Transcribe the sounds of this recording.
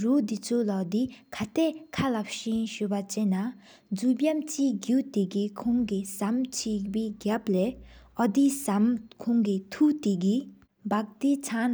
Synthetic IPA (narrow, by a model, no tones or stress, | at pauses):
rud̪it͡sʰolad̪ikʰat̪eʔkʰalap̚ɕinɕøpat͡ɕenːa | d͡zupjamt͡ɕiʔɡut̪eɡikʰoŋkisamt͡ɕʰipiːɡapleːʔɔd̪isamkʰoŋkit̪ʰut̪iɡi | bak̚t̪it͡sʰan